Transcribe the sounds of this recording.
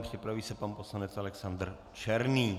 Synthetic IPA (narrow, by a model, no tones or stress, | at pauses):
pr̥ɪpɾaviːsɛpanposlanɛt͡salɛksand̪r | t͡ʃɛɾniː